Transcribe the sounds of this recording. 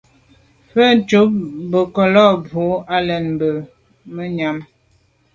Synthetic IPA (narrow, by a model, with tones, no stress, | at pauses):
fə˦t͡ʃu˨˦p̚bə˨kɔ˨lɔ˦˨bu˨˦a˦lɛ˨nbə˨ | mə˦ɲa˨˦m